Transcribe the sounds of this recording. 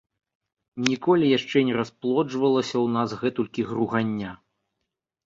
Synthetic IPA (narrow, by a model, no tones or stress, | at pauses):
nʲikɔlʲijaʂt͡ʂɛnʲɛɾasplˠɔd͡ʐvɐlˠɐsʲɐwnasɣɛt̪ulʲkʲiɣɾuɣanʲːa